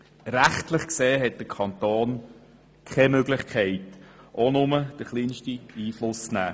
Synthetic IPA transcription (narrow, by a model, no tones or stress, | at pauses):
ɾæχtlɪχkseːɦɛt̚d̥əkʰɑnt̪oːn | kʰɛmøɡlɪχkχɛɪtʔonʊməd̥əχliːnʃtiiːflʊst͡snæ̰ː